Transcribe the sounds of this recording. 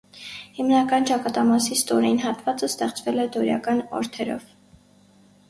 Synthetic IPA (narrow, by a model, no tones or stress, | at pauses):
himnɑkɑnt͡ʃɑkɑt̪ɑmɑsist̪ɔɾɛjinɦɑt̪vɑt͡səst̪ɛχt͡svɛlɛd̪ɔɾjɑ̰kɑnɔ̰ɾt̪ʰɛɾɔ̰v